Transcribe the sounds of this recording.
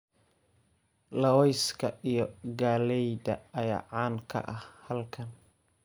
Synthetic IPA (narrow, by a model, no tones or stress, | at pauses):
lɐwɛjskʰɐijɞɡaːlɛjd̪ɐɐja̰ːʕaːnkʰɐ̰ʔɐhhɐlkʰɐn